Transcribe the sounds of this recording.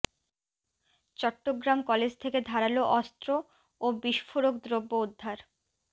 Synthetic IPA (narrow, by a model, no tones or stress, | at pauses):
t͡ɕɔʈːoɡɾamkɔled͡ʑt̪ʰeked̪ʱaɾaloʔɔst̪ɾo | obiʃfoɾokd̪ɾobːoud̪ʱːaɾ